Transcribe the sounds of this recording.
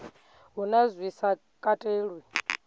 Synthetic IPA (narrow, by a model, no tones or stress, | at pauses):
ɦunazwisa | kʼatʼeːɺwi